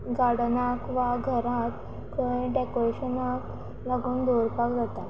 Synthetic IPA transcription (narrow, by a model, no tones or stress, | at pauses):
ɡaɽnakʋaɡʱəɾãt̪ | kəɖekoɾeɕənak | laɡuːnd̪uɾpakd͡zat̪a